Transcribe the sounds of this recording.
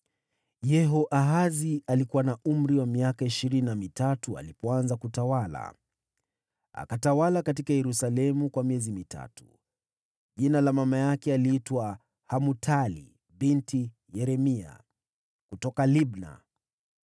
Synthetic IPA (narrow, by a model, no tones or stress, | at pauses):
jɛɦɔʔaɦazialikuwanaum̩ɾiwamiakaiʃiɾininamitatua̰lipɔanzakutawala̰ | a̰katawalakatikajɛɾusalɛmukwamiɛzimita̰tu | ʄinalamamajakɛaliitwa | hamutʰalḭ | binti | jɛɾɛmia̰ | kutɔkalibna̰